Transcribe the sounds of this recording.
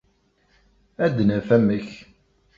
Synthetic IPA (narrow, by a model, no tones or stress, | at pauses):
æd̪næfæmːəç